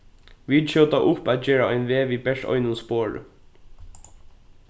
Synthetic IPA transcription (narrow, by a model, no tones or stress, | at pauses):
ʋiːʃøwt̪aʔʊpæːt̪̚d͡ʒeːɹaɔɪnʋeːʋiːbɛʂt̪ɔ̰ʏnʊnspoːɹ̰